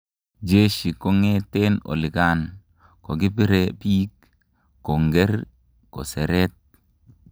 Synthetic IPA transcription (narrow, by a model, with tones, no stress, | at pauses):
d͡ʒe˦ʃi˨ko˦ŋe˦te˦no̰˨li˨ka˦n | ko˨ɡi˦pi˦ɾe˦piː˦kː | o˨ŋɡe˦ɾ | ko̰˨se˨ɾe˦t̚